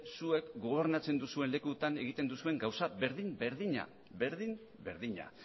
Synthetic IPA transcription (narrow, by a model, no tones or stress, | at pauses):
sue̞kɡo̞β̞e̞ɾnat͡se̞nd̪usue̞nle̞kut̪ane̞ɣ̞it̪e̞nd̪usue̞ŋɡawsaβe̞ɾðimbe̞ɾðiɲa̰ | be̞ɾðim | be̞ɾðiɲa̰